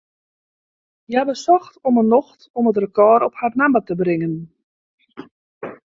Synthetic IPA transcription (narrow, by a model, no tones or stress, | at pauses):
jabəsɔxtɔmənɔxtɔmət̬rəkɔːɾɔpharnamətəbrɪŋən